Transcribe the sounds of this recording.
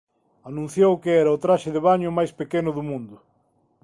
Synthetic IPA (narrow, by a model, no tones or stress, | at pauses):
anũn̟θjowkɪɛɾɐʊt̪ɾaʃɪðeβaɲʊmajspekenʊðʊmũnd̪ʊ